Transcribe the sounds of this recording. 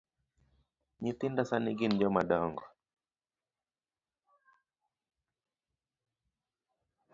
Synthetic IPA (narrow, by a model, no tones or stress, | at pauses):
ɲit̪indasaniɡin̩d͡ʒɔmaɗɔŋɡɔ